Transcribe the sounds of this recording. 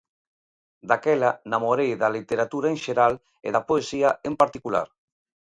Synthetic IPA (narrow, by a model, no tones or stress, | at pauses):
d̪akɛlanamoɾejðalit̪eɾat̪uɾaenʃeɾal | ḛðapoesiaempaɾt̪ikula̰ɾ